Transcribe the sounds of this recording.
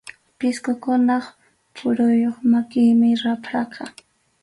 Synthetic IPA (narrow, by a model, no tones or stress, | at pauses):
pɪskʊkʊnɑχ | pʰʊɾʊjoχmakɪjmɪɾapʰɑqɑ